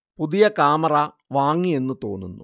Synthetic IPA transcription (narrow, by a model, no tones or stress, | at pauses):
puðijɐkaːmɐra | ʋaːŋːie̞nːut̪o̞̰ːnːunːu